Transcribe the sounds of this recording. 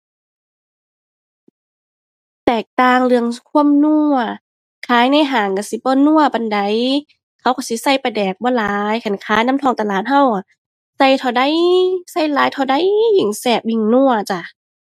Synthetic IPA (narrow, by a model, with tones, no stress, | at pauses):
t̪ɛː˨˩k̚t̪aː˧ŋlɯ˧əŋkʰu˧˥˨əmnu˧˩ɐ | kʰaː˨˦jna˧˥˨jɦaː˨˩ŋka˧˩si˧˦bɔː˧˦nu˧˥˨ɐpa˧˨nda˨˦j | kʰa˧˦˩wka˧˩si˧˦sa˧˩jpa˧˨˩dɛː˨˩k̚bɔː˧˦laː˨˦jkʰa˨nkʰaː˨˦jna˧˥˨mt̪ʰɔː˧˩˨ŋt̪a˧laː˨˩t̪̚ɦa˧˥˨wʔa˨˩ | sa˧˩jt̪ʰa˧˩wda˧˥˨jsa˧˩˨jlaː˨˦jt̪ʰa˧wda˧˥˨jːɯ˧˩ŋsɛː˧˩p̚i˧˩ŋnu˧˨ɐt͡ɕa˧˩